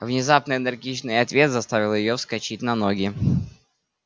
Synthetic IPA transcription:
vnʲɪzapnəɪnɨrɡʲit͡ɕnɨjɐt̪vʲe̞t̪zɐst̪avʲɪlˠjɪjofskɐt͡ɕit̚ʲnɐnoɡʲɪ

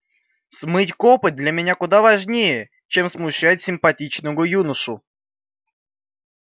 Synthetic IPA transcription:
smɨtʲkopɨt̪̚d̪lʲɐmʲɪnʲakʊd̪avɐʐnʲejə | t͡ɕemsmʊɕːætʲsʲɪmpɐtʲit͡ɕnəjʊjunəʂʊ

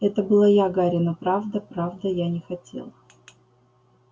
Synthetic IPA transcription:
ɛt̪əbɨlˠajaɡaɾʲɪnəpɾavd̪əpɾavd̪əjanʲɪxɐtʲe̞̰lˠə

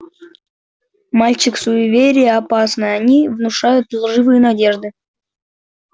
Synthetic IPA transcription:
malʲt͡ɕɪksʊʊvʲeɾʲɪjəɐpasnɨjanʲivnʊʂajʊt̪lˠʐɨvɨjənadʲe̞ʐd̪ɨ

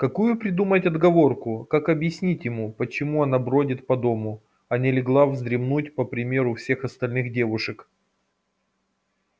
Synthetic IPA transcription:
kɐkujʊpɾʲɪd̪umətʲɐd̪ɡɐvo̞rkʊkakɐbjɪsʲnʲitʲjɪmupət͡ɕɪmuɐnabɾo̞dʲɪt̪pɐd̪o̞mʊ | ɐnʲɪlʲɪɡlˠavzd̪ɾʲɪmnutʲpəpɾʲɪmʲeɾʊfsʲe̞xɐst̪ɐlʲnɨxdʲe̞vʊʂɨk

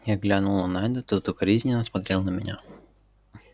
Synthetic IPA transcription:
jaɡlʲanʊlˠnɐnanʲd̪ət̪ot̪okɐɾʲizʲnʲɪnəsmɐt̪ɾʲelˠnəmʲɪnʲa

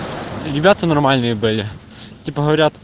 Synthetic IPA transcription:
ɾʲɪbʲat̪ənɐrmalʲnɨjəbɨlʲɪ | t̪ʲipəɦəvɐɾʲat̪

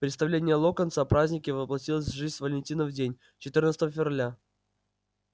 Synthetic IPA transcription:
pɾʲɪt̪st̪ɐvlʲenʲɪjəlˠokənt̪sapɾazʲnʲɪkʲɪvəplˠɐtʲilˠəsʲvʐɨzʲsvəlʲɪnʲtʲinəvdʲenʲ | t͡ɕɪt̪ɨrnət̪st̪əvəfʲɪvralʲa

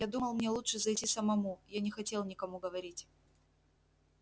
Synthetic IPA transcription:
jad̪uməlˠmnʲe̞lˠuʂɨzɐjtʲisəmɐmujanʲɪxɐtʲe̞lˠnʲɪkɐmuɡəvɐɾʲitʲ

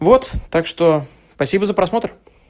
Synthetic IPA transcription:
vo̞t̪t̪akʂt̪o̞ | spɐsʲibəzəpɾɐsmo̞t̪ɾ

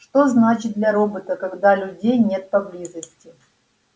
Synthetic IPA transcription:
ʂt̪oznat͡ɕɪt̪̚d̪lʲɐɾobət̪əkɐɡd̪alʲʊdʲejnʲe̞t̪̚pɐblʲizəsʲtʲɪ

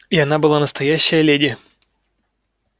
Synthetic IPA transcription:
iɐnabɨlˠanəst̪ɐjæɕːəjəlʲedʲɪ

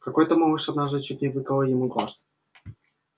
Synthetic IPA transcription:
kɐkojt̪əmomɨʂɐd̪naʐd̪ɨt͡ɕːut̚ʲnʲɪvɨkəlˠəjɪmuɡlˠa̰s

